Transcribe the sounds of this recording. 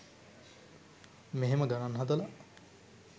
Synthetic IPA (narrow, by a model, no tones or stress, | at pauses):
meɦeməɡananɦad̪ɐla